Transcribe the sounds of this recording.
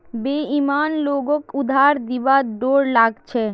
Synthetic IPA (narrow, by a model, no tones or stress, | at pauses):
beimanloɡokud̪ʱaɾd̪ibaɖoɾlaɡt͡ɕʰe